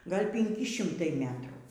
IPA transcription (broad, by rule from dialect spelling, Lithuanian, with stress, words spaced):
ˈɡɐlʲ pʲɪŋʲˈkʲɪ ˈʃʲɪmtɐɪ ˈmʲæːtruː